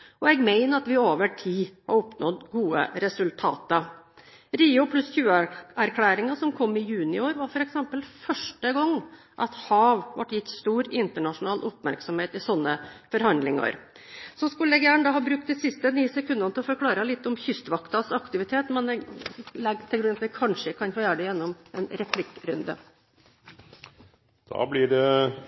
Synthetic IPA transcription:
ɔɛɡmæɪnəɑt̪ʋɪoːʋəʈʰiːhɑ̰ɾɔpnɔd̪ɡuːə̰ɾɛsʉlt̪ʰɑ̰ːt̪ə | ɾiːʊpʰlʉsçʉːəæɾkʰlæːɾɪŋɑsɔmkʰɔmːɪjʉːnɪoːɾʋɑɾfɔɾɛksɛmpəlfœʂʈəɡɔŋː | ʔɑt̪hɑːʋʋɑ̰ʈjɪt̪ːst̪uːɾɪnt̪əɳɑʂʊnɑːlʔɔpmæɾksɔmheːt̪ɪsɔnːəfɔɾhɑnd̪lɪŋɑ̰ɾ | sɔskʉlɛɡjæːɳəd̪ɑːhɑːbɾʉkt̪̚d̪ɪsɪst̪əniːsɛkʰʉnd̪ɑnt̪ɪlɔfɔɾkʰlɑːɾəlɪt̪ːɔmçʏst̪ʋɑkt̪ɑsɑkt̪ɪʋɪt̪ʰeːt̪mɛnɛlɛɡt̪ʰɪlʊɾnɑt̪ʋɪkʰɑnʂəkʰɑnfoːjæːɾɖ̪ɛjɛnːɔmɛnɾɛpʰlɪkːɾʉnd̪ə̰ | d̪̥ɑ̰ːblɪɖɛ

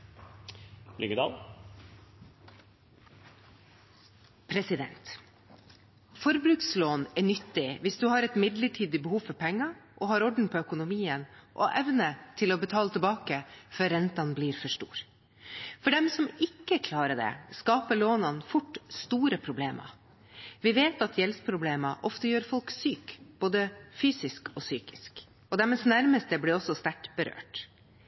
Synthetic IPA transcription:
lʏ̰ɡəd̪ɑ̰ːl | pʰɾɛsɪd̪ɛ̰nt̪ | fɔɾbɾʉksloːnɛnʏt̪ːɪʋɪsd̪ʉːhɑːɾɛt̪mɪd̪ləʈʰiːd̪ɪbəhuːfɔɾpʰɛŋːɑʔɔɦɑːɾɔɖɳ̩pʰoːœkʊnʊmiːənʔo̰ʔɛʋnət̪ʰɪloːbət̪ʰɑːlət̪ʰɛlbɑːkəfœɾɾɛnt̪ɑnbliːɾfɔʂʈṵːɾ | fɔɖɛmsɔmɪkːəkʰlɑːɾəɖɛ̰skɑːpəɭoːnɑnfʊʈːst̪uːɾəpʰɾʊbleːmʔɑ̰ | ʋɪʋeːt̪ɑt̪ʰjɛlspʰɾʊbleːmɑʔɔft̪əjøːɾfɔlksyːkb̥oːd̪əfyːsɪskɔsyːkɪ̥sk | ɔd̪ɛməsnæɾməst̪əblɪɾɔsːɔst̪æʈb̥əɾø̰ːʈ

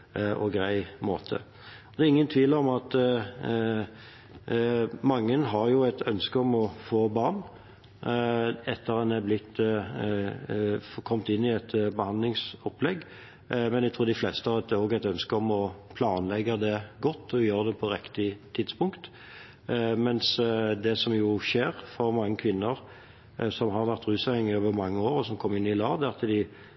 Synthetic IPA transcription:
ʔɔ̰ɡɾæɪmo̰ːt̪ʰə̰ | ɔd̪ɛːʁɪŋːənt̪ʰʋiːləɔmɑt̪ | mɑŋːənɦɑɾjʊæɪt̪ʰœnskəɔmɔfoːbɑːʁn | ɛt̪ːəʁɑnɛblɪt̪ː | kʰɔmt̪ɪnːɪɛt̪bəhɑnd̪lɪŋsɔplɛɡː | mɛnæɛɡt̪ʰʁuːd̪ɪflɛst̪əɑɛt̪ːɛoːɡæɪt̪œnskəɔmɔpʰlɑːnlɛɡəd̪ɛɡɔt̪ːɔjøːɾd̪ɛpʰɔɾɪkt̪ɪt̪ʰɪd̪spʊŋkt̪ | mɛnsd̪ɛsɔmjʊʃeːɾfɔɾmɑŋːəkʰʋɪnːəʁ | sɔmɦɑʁʋæʁt̪ʁʉːsɑɪŋoːʋəɾmɑŋːəoːɾɔsɔmkʰɔmːɪnːɪlɑːd̪æt̪ʰːəd̪ɪ

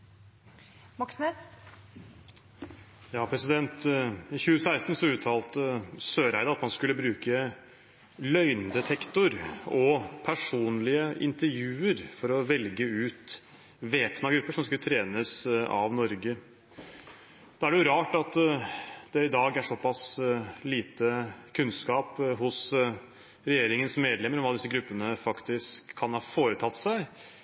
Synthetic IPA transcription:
mɑksnɛ | jɑːpʰɾɛsɪd̪ɛnt̪ɪçʉːəsæɪst̪n̩sɔʉːt̪ʰɑːlt̪əsøːɾæɪd̪ɑɑt̪mɑnskʉlːəbɾʉːkə | lœʏnd̪ɛt̪ʰɛkt̪ʊɾɔpʰæʂuːnlɪəʔɪ̰nt̪əɾjʉːəɾfɔɾɔʋɛlɡəʉːt̪ | ʋeːpnɑɡɾʉpːəʂɔmskʉlt̪ʰɾeːnəsɑ̰ʋnɔɾɡə | d̪̥ɑːæɖɛjʊɾɑːʈɑt̪ | d̪ɛɪd̪ɑːɡæʂɔpɑsliːt̪əkʰʉnskɑːpɦʊs | ɾɛjeːɾɪŋənsmeːd̪lɛmːəɾɔmɑləd̪ɪsəɡɾʉpːənəfɑkt̪ɪskʰːɑnhɑːfoːɾət̪ʰɑt̪ːsæɪ

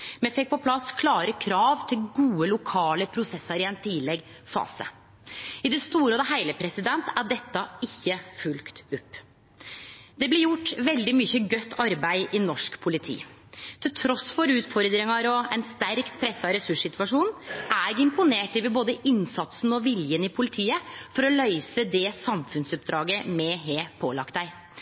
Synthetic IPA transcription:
mɛfɛk̚ːpɔpʰlɑskʰlɑːɾəkʰɾɑːʋt̪ʰɪlɡuːəlʊkʰɑːləpʰɾʊsɛsːɑɾɪɛnt̪ʰɪlɛɡfɑ̰ːsə̰ | ɪd̪ɛst̪uːɾəɔd̪ɛɦæɪləpʰɾɛsɪd̪ɛnt̪æɖɛt̪ːɑɪçːəfʉlkt̪ʉpː | d̪ɛblɪɾjʊʈːʋɛld̪ɪmʏçəɡœt̪ːɑɾbæɪɪnɔʂkpʰʊlɪt̪ʰḭː | t̪ʰɪlt̪ʰɾɔsfɔɾʉːt̪fɔɾd̪ɾɪŋɑɾɔɛnst̪æɾkt̪pʰɾɛsːɑɾɛsʉʂsɪt̪ʋɑʂuːnʔæɪɡɪmpʊneːʈɪʋɪboːd̪əʔɪnsɑt̪snɔʋɪljənɪpʰʊlɪt̪ʰiːəfɔɾɔlœʏsəd̪ɛsɑmfʉnsʉp̚d̪ɾɑːɡəmɛɦeːpʰoːlɑ̰kt̪d̪æɪ

